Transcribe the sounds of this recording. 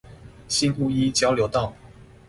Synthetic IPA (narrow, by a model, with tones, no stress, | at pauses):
ɕi˦nu˥˧i˦t͡ɕjɑ˥˦ʊljo˧˥ʊt̪ɑ˥˨ʊ